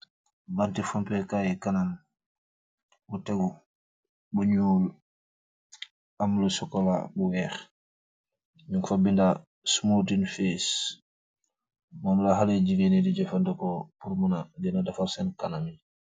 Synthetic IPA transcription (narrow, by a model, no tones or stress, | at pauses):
bantifampɛkajɛkanam | butɛɡu | buɲuːl | amlusɔkɔla̰buwɛx | ɲuŋkfabinda | smutinfes | mɔːmlaɦaleɟiɡenediɟɛfandɛkɔpuɾmunadɛnadafaɾsɛnkanami